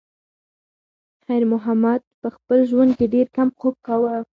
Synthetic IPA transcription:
xajɾmʊɦamad̪̚pəxpəlʒwand̪̚keɖeɾkamqop̚kawə

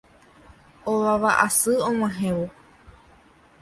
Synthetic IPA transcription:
oβaβaʔasɨõŋãɦẽʋo

